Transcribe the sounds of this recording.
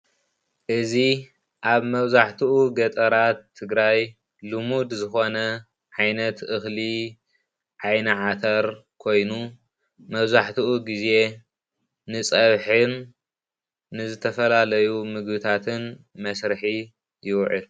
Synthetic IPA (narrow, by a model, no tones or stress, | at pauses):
ʔɨzi | ʔaβmɐβzaħt̪ʰɨʔuɡɐt̪ʼɐɾat̪ʰːɨɡɾaj | lumud̪zɨxo̞nɐ | ʕajnɐt̪ʔɨxli | ʕajnɐʕat̪ʰɐɾkʰo̞jnu | mɐβzaħt̪ʰɨʔuɡize̞ | nɨt͡sʼɐβħɨn | ɨzɨt̪ʰɐfɐlalɐjumɨɡbɨt̪ʰat̪ʰɨn | mɐsɾɨħi | jɪwʕɨl